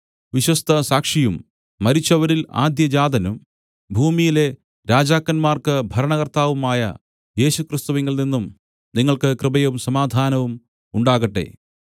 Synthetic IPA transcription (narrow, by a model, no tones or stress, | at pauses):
ʋiɕwɐst̪ɐsaːkʂijumː | ɐɾit͡ɕːɐʋɐɾila̰ːd̪jɐd͡ʑaːd̪ɐnum | bʱuːmijile̞ | ɾaːd͡ʑaːkːɐnmaːrkɨbʱɐɾɐɳɐɣɐrt̪aːʋumaːjɐ̰ | je̞ːɕukrist̪uʋeŋɡɐɭninːum | niŋːɐɭkɨkrɨbɐjɐumsɐmaːd̪ʱaːnɐʋum | uɳɖaːɣɐʈːḛ